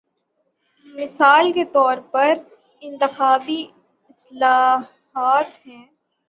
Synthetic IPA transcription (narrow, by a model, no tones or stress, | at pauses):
mɪsaːlket̪ɔːɾpɐɾ | ɪ̃nt̪ɪxaːbi | ɪslaːh | aːt̪ɦɛ̃ː